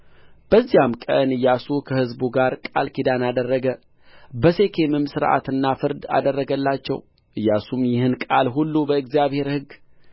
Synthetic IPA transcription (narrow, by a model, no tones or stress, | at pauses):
b̥əzːijamkʼə̰nɨjːasukʰəhɨzbuɡaɾkʼa̰lkʰid̪anad̪ərːəɡə | bəse̞kʰe̞mɨmsɨɾʔa̰t̪ɨnːafɨɾd̪a̰d̪ərːəɡəlːat͡ʃːɛ̰w | ʔɨjːasumjɪhɨnkʼalɦulːubəɨɡzijaβhe̞ɾhɨɡ